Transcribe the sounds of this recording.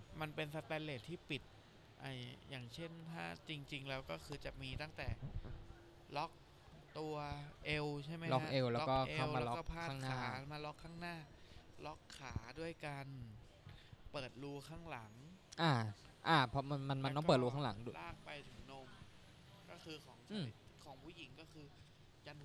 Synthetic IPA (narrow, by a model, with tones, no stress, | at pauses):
ma˧npe˧nsa˧t̪ɛː˧leː˨˩t̪ʰːiː˥˩pi˨˩t̪̚ | ʔa˧jjaː˨˩ŋt͡ɕʰe˥˩nt̪ʰaː˥˩t͡ɕi˧ŋt͡ɕi˧ŋlɛː˦˥wkɔː˥˩kʰɯː˧t͡ɕa˨˩miː˧t̪a˥˩ŋt̪ɛː˨˩ | lɔ˦˥k̚ | t̪u˧ɐʔe˧wt͡ɕʰa˥˩jma˦lɔ˦˥kʔe˧wlɛː˦˥˦kɔː˥˩ʔe˧a˥˩wlmaː˧ɔ˦kɔː˥˩pʰaː˥˩aː˥˩ŋknaːaː˥˩˦maː˧lɔ˦˥kʰːaː˥˩ŋnaː˥˩lɔ˦˥kʰːaː˩˦du˥˩əjkaa˧n | pɤː˨˩t̪̚luː˧kʰaː˥˩ŋla˩˦ŋʔaː˧˩ʔaː˧˩pʰɔ˦˥ma˧nma˧nma˧nːɔ˦˥pɤː˨˩t̚luː˧kʰa˥˩la˩˦ŋdu˥˩lʔaː˥˩k̚pa˧jt̪ʰɯ˩˦ŋno˧˥˩m | kɔː˥˩kʰɯː˧kʰɔː˩˦ŋsʰaː˩˧˩kʰɔː˩˦ŋpʰuː˥˩ji˩˦ŋkɔː˥˩kʰɯː˧ | ka˧n